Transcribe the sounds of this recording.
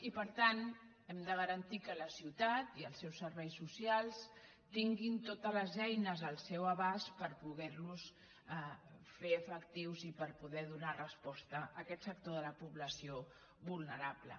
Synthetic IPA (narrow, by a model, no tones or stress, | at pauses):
ipəɾt̪an | ɛmd̪əɣəɾənt̪ikələsiwt̪at̪iəlˠsɛwsːəɾβɛjsusialˠs | t̪iŋɡint̪ot̪ələzɛjnəzəlˠsɛwəβaspəɾpuɣɛɾnus | feəfəkt̪iwzipəɾpuðɛðunarəspɔst̪əəkɛt̪sək̚t̪oðələpuβləsio | βulˠnəɾablə̰